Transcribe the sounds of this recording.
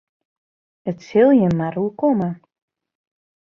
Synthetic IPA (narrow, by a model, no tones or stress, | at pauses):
ətsɪlˠjənmaɾukomə